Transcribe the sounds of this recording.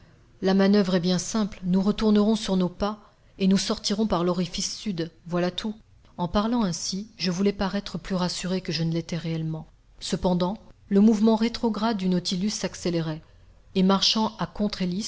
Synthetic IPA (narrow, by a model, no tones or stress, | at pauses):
lamanœvʁɛbjɛ̃sɛ̃plnuʁət̪uʁnəʁɔ̃syʁnopa | enusɔʁt̪iʁɔ̃paʁlɔʁifisːyd̪vwalat̪ʰu | ɑ̃paʁlɑ̃ɛ̃siʒəvulɛpaʁɛt̪χəplyʁasyʁekəʒənəlɛt̪ɛʁeɛlmɑ̃ | səpɑ̃d̪ɑ̃ləmuvmɑ̃ʁet̪χɔɡʁad̪ːynɔt̪ilysːakseleʁɛ | emaʁʃɑ̃akɔ̃t̪χelis